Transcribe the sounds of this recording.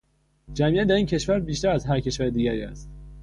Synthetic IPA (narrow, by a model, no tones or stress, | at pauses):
d͡ʒæmiʔæt̪̚d̪æɾiːncʰe̞ʃvæɾbiːʃt̪æɾæzɦæɾcʰe̞ʃvæɾed̪iːɟæɾiːæ̰st̪